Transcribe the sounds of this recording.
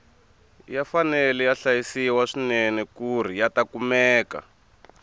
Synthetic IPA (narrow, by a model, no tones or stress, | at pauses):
jafanɛlɛjaɬajisiwaʂinɛnɛkur̤ijatakumɛːka̰